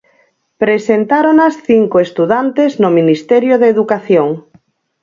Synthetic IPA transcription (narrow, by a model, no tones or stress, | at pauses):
pɾesent̪aɾonasθiŋkoest̪uðant̪eznominist̪ɛɾjoðeðukaθjoŋ